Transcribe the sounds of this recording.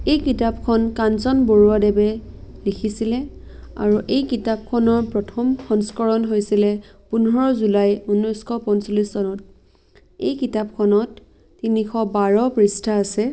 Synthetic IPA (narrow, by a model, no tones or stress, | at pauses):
ejkitap̚kʰɔnkansɔnboɹuadɛbɛ | likʰisilɛ | a̰ɹuʔejkitap̚kʰɔnɔɹpɹɔtʰɔmxɔŋskɔɹɔnɦojsilɛpunɔɹɔzulajunːɔjskʰɔpɔnsolissɔnɔt̚ | ejkitapkʰɔnɔtː | inixʰɔbaɹɔpɹistʰaːsɛ